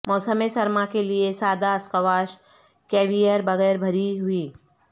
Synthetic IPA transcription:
mɔːsəmesɐɾmakeliesaːd̪aɐskɐʋaːʃ | kɛːʋijəɾbɐɣɛːɾbʱɐɾiɦʊiː

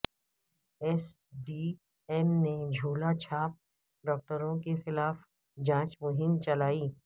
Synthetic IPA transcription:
ɛsɖiː | ɛmned͡ʒʱuːlat͡ʃʰaːp̚ | ɖɔːk̚ʈəɾõkexɪlaːf | d͡ʒãːt͡ʃmʊɦɪmt͡ʃɐlaːiː

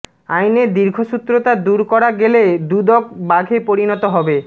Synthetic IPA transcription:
ajned̪iɾɡʱoʃut̪ːɾot̪ad̪uɾkɔɾaɡeled̪ud̪ɔk̚baɡʱepoɾinɔt̪oɦɔbe

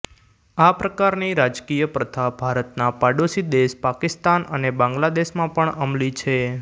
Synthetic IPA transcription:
apɾəkaɾniɾad͡ʒkijəpɾət̪ʰabʱaɾət̪napaɖosid̪eʃpakɪst̪anənebãŋɡlad̪eʃmãpəɳəmlit͡ʃʰe

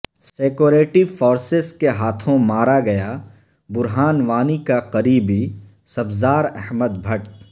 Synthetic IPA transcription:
seːkoːɾeːʈifoːɾsɪzkeɦaːt̪ʰõmaːɾaɡɐja | bʊɾɦaːnʋaːnikaqɐɾiːbi | sɐbzaːɾɛɦməd̪bʱɐʈ

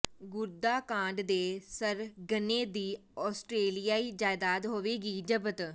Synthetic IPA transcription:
ɡʊɾd̪aːkãːɳɖd̪eːsəɾɡəneːd̪iː | ɔːsʈɾeːlijaːiːd͡ʒaːɪd̪aːt̪ɦoːʋeːɡiːd͡ʒəbət̪

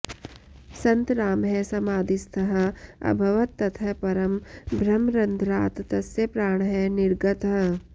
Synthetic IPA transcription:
sɐ̃nt̪ɾaːmɦɛsɐmaːd̪ɪst̪ʰɐɦɐɐ̰bʱɐʋɐt̪ːɐt̪ʰɐpɐɾɐmbʱɾɐmɾɐnd̪ʱɾaːt̪t̪ɐsjɐpɾaːɳ̃ɦɛnɪɾɡɐt̪ɦɐ

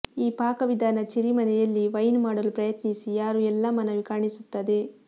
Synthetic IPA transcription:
iːpaːkɐʋid̪ʱaːnɐt͡ʃiɾimɐnɛjɐlːiʋɐjnmaːɽɐlupɾɐjɐt̪nisijaːɾuɛlːɐmɐnɐʋikaːɳisut̪ːɐd̪e̞

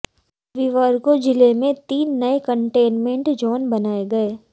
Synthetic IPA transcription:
ʋiʋəɾkod͡ʒɪlemẽt̪iːnːɐekə̃ɳʈeːnmẽɳʈd͡ʒɔːnbɐnaːeɡɐeː

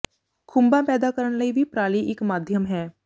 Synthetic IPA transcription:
kʰʊ̃mbapɛːd̪akəɾəñləibʱipɾaːliʔɪkmaːd̪ʱjəmɦɛː

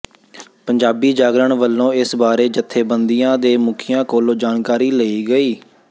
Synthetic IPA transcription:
pəɲd͡ʒaːbiːd͡ʒaːɡɾəɳʋəlːõːɪsbaːɾeːd͡ʒət̪ʰːeːbənd̪ijãːd̪eːmʊkʰɪjãːkoːlod͡ʒaːnkaːɾiːləiːɡəiː

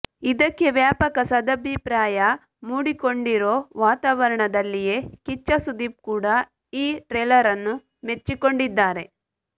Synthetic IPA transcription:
id̪ɐkːe̞ʋjaːpɐkɐsɐd̪ɐbʱipɾaːjɐ | muːɽiko̞ɳɖiɾoːʋaːt̪aːʋɐɾɐɳɐd̪ɐlːije̞kit͡ʃːɐsud̪iːp̚kuːɽɐ | iːɾeːlɐɾɐnːu | met͡ʃːiko̞ɳɖid̪ːaːɾe̞

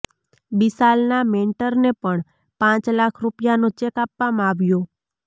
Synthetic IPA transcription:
bisalnameɳʈəɾnepəɳ | pãt͡ʃlakʰɾupjanot͡ʃekapʋamãaʋjõ

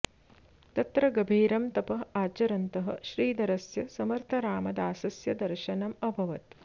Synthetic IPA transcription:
t̪ɐt̪ɾɐɡɐbʱiːɾɐmt̪ɐpɐɦaːt͡ʃɐɾɐnt̪ɐɦɐ̰ʃɾiːd̪ɐɾɐsjɐsɐmɐɾt̪ʰɐɾaːmɐd̪aːsɐsjɐd̪ɐɾʃɐnɐmɐbʱɐʋɐt̪

